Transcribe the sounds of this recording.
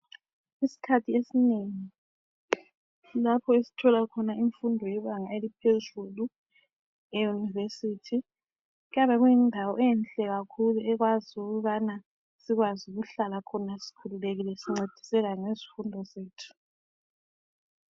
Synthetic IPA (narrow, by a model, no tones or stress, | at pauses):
isi̥kʰatʰiesineŋi | lapʰɔesi̥tʰɔlakʰɔnaiɱfundʱɔjɛβaŋaelipʰezulu | ɛjunivesitʰi | jaβɛɣujindʱawɔɛnt͡ɬɛɣakʰuluʔɛɣ̬waziuɣuβana | siɣwazuɣuɬalakʰɔnasi̥kʰululeɣilɛsiŋ͡ǀed̥ʱi̥sɛɣaŋezi̥fundʱɔzeːtʰu̥